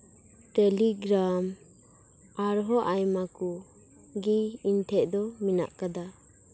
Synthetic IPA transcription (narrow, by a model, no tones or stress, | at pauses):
ʈɛliɡɾam | aɾɦɔʔajmaku | ɡiintʰɛʔ̚d̪ɔmina̰ʔkad̪a